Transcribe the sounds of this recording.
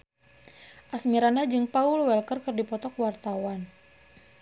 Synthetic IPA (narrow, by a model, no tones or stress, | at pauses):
ʔasmiɾandad͡ʒɨŋpaulwɛlkərkɨrdipɔt̪ɔkwart̪awan